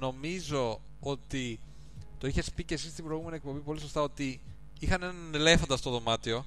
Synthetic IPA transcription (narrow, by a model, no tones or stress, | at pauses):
no̞mizo̞ | o̞t̪i | t̪oiçe̞spice̞sist̪ibɾojɣume̞niek̚po̞mbipo̞liso̞st̪ɐo̞t̪i | ixɐne̞nɐnele̞fɐnd̪ɐst̪oðo̞mɐt̪io̞